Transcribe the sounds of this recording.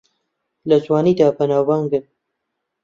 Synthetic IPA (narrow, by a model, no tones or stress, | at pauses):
lɐzwaːniːd̪aːbɐnaːwːaŋɡɨn